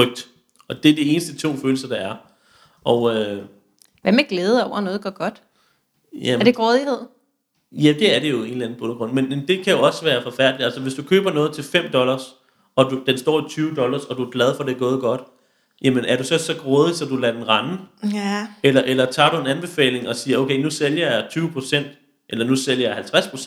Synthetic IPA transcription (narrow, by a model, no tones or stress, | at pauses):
œɡ̥̚d̥ | ɒ̽d̥e̝ɐd̥ie̝ːnəsd̥ət͡sʰo̝̰ːføːl̩sɐd̥ɑ̈æɐ | ʔɒʊø | ʋæmeɡ̥leːð̞̩ˠɒʊ̰ɐnɔ̽ːð̩ˠɡ̥ɶɐɡ̥ɒ̽d̥ | jæɐd̥eɡ̥ʁɔːðˠihe̝ð̞̰ˠ | jæd̥e̝æɐɾe̝jo̝e̝nl̩æn̩ˠb̥onɐɡ̥ɔ̽n̰menmend̥e̝kʰæjo̝ɒ̽sʋæːɐfɒ̽fæɐ̰d̥liælsəʋe̝sd̥ukʰøːb̥ɐnɔ̽ːð̞̩ˠt͡sʰe̝lfem̰d̥ɒ̽lɐs | ɒ̽d̥ud̥ensd̥ɒ̰ːit͡sʰyːʊəd̥ɒ̽lɐsɒ̽duæɡ̥lɛð̞ˠfɒ̽de̝ɡ̥ɔ̽ːð̞̩ˠɡ̥ɒ̽d̥ | jæmenʔæɐɾusɒ̽sɒ̽ɡ̥ʁɔːð̞ˠisɒ̽d̥ulɛd̥enʁɑ̈n | elɐʔelɐt͡sʰɑ̰̈ːd̥ue̝nænb̥e̝fɛ̰ːle̝ŋɒ̽siːɐoʊkʰeɪnuseljɐjät͡sʰyːʊəpʰʁo̝sen̰d̥ | ʔelɐnuseljɐjähælt͡sʰʁaspʰʁose